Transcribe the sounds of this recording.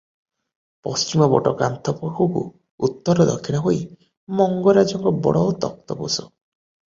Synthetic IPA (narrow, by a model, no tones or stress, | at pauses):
pɔst͡ʃimɔbɔʈɔka̰nt̪ʰɔpokʰukṵ | ut̪ːɔɾɔd̪ɔkʰːiɽ̃ɔɦoi | mɔŋɡɔɾad͡ʒɔŋkɔbɔ̰ɽɔːt̪ɔk̚t̪ɔbosɔ